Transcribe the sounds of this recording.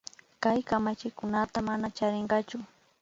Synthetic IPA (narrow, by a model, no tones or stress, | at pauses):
kajkamat͡ʃɪkʊnat̪amanat͡ʃaɾɪɴɢɑt͡ʃʊ